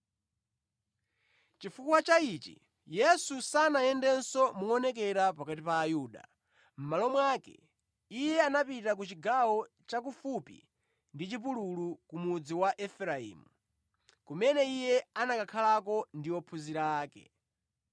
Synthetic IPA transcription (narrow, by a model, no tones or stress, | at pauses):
t͡ʃifukwat͡ʃait͡ʃḭ | jɛsusanajɛndɛnsɔmuɔnɛk̬ɛɾapakatipaːjuːɗa̰ | m̩malɔmwaːkɛ̰ | ijɛanapitak̬ut͡ʃiɡawɔ | t͡ʃak̬ufupḭ | ndit͡ʃip̬ululukumud͡ziwaʔɛfɾaḭːmu | kumɛnɛijɛanakakʰalakɔndiɔpʰuziɾaːkɛ̰